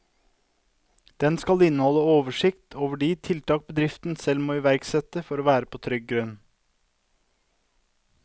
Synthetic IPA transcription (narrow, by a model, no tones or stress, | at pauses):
d̪̥ɛnskɑlɪnːəhɔlːəoːʋəʂɪkt̪ʰoːʋəɖiːt̪ʰɪlt̪ʰɑːk̚bəd̪ɾɪft̪n̩sɛlmoːɪːʋæɾɡsɛt̪əfɔɾoːʋæːɾəpʰoːt̪ʰɾʏɡ̚ɡɾʉn